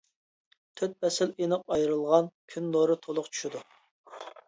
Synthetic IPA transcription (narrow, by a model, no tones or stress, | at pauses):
t̪ʰøt̪̚pɛsɪlenɨqɑjɾɨlˠʁɑnkʲʰynloɾɨt̪ʰolˠʊqt͡ʃʰy̥ʃid̪u